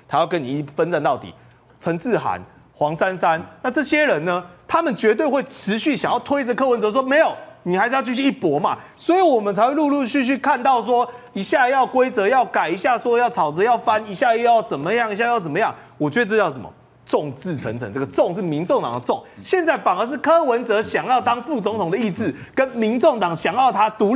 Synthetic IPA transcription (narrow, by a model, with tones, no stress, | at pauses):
t̪ʰa˧˥jɑ˥˩ʊk̬ə˦ni˨˩˥fə˦nt͡sa˥˧nt̪ɑ˥˩ʊt̪ḭ˨˩ | t͡sʰə˧˥˦ŋt͡sʰɹ̩˥˩xa̰˧˦n | xwɑ˧˥ŋsa˦˥nsa˦nna˥˧t͡sɤ˥˧ɕjɛ˦ɻə˧˦nnə˧t̪ʰa˦mə˨nt͡ɕɥɛ˧˥t̪we˥˧ɪxwe˥˩ɪʈ͡ʂʰɻ̩˧˥ɕy˥˩ɕjŋjɑ˥˩ʊt̪ʰwe˥ɪd͡zə˨˧kʰɤ˥˩˨wə˧˦nt͡sɤ˧˦s̬wɔ˥me˧˥ɪjo˨˩ʊni˨˩xɪt͡ɕs̩˧jt͡ɕ̬ʰi˥˧ɕ̬ʰy˥˩i˥˩pwɔ˨˥ma̰˨ | swɔ˧˥i˨˦wɔ˨˩mə˨nt͡sʰa˧ɪwe˥˧lu˥˧lu˥˧t͡ɕʰy˥˧t͡ɕʰy˥˧kʰa˥˧nt̪ɑ˥˩ʊs̬wɔ˦ | i˧ɕja˥˧jɑ˥˩ʊkwe˥ɪt͡sɤ˧˦jɑ˥˩ʊka˨˩ɪi˧˦ɕja˥˩swɔ˥˦jɑ˥˩ʊt͡sʰɑ˨˩ʊt͡sɤ˧˦jɑ˥˩ʊfa˦ni˧˨˥ɕja˥˧˥jɑ˥˩ʊt͡sə˨˩nmə˦jŋi˨˩ɕja˥˧jɑ˥˩t͡sə˨˩mə˦jɑ˥˩ŋwɔ˨˩t͡ɕɥɛ˧˥d̪ə˧t͡sɤ˥˧jʊsə˩mə̰˨˩ | t͡so˥˨ŋt͡sɹ̩˥˩t͡sʰə̰˧˦nt͡sʰə̰˧˦nt͡sə˥˩ɡə˩t͡so˥˧ŋʂ̬ɻ̩˥˩mi˧˦nt͡so˥˨ŋt̪ɑ̰˨˩ŋd̪ə˩t͡so˥˩˨ŋɕjɛ˥˧nt͡sa˥˩ɪfa˨˩ŋə˧˦ʂ̬̩˥˩kʰɤ˥wə˧˦nt͡sɤ˧˦ɕjɑ˨˩ŋjɑ˥˩ʊt̪ɑ˥ŋfu˥˩t͡so˧˥ŋt̪ʰʊ˨ŋdə˨i˥˧t͡sɹ̩˥˩kə˦nmi˧˦˥nt͡so˥˩ŋt̪ɑ˨˩ŋɕjɑ˨˩ŋjɑ˥˩ʊt̪ʰa˥t̪u˧˥